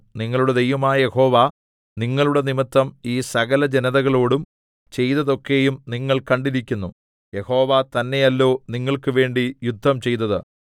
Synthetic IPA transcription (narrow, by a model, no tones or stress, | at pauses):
niŋːɐɭuɽed̪e̞jʋɐmaːjɐjeho̞ːʋɐ | niŋːɐɭuɽe̞nimit̪ːɐmiːsɐɣɐlɐd͡ʑenɐðɐɣɐɭo̞ːɽum | t͡ɕe̞jt̪ɐðo̞kːe̞jumniŋːɐɭkɐɳɖiɾikʲːunːu | je̞ho̞ːʋat̪ɐnːe̞jɐlːo̞ːniŋːɐɭkɨʋe̞ːɳɖijud̪ʱːɐmt͡ɕe̞jt̪ːɐðɨ